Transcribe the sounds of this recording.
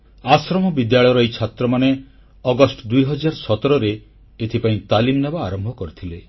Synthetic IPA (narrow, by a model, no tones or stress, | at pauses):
asɾɔmɔbid̪jaɭɔjɔɾɔejt͡ʃʰat̪ɾɔmane | ɔɡɔsʈɔd̪ujɦɔd͡ʒaɾsɔt̪ɔɾɔɾe | et̪ʰipaĩt̪alimnabaːɾɔmbʱɔkɔɾit̪ʰile